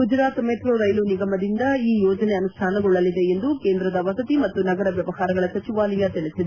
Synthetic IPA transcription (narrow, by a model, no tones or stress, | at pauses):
ɡud͡ʒɾaːt̪meːt̪ɾoːɾɐjluniɡɐmɐd̪ind̪ɐiːjɔːd͡ʒɐneɐnusʈ̪ʰaːnɐɡuɭːɐlːid̪e̞end̪ukeːnd̪ɾɐd̪ɐʋɐsɐt̪imɐt̪ːunɐɡɐɾɐʋjɐʋɐhaːɾɐɡɐɭɐsɐt͡ʃiʋaːlɐjɐt̪eɭisid̪e